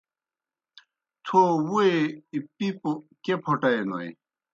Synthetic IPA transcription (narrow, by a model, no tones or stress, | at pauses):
t̪ʰowueipipokepʰoʈɐeno̰j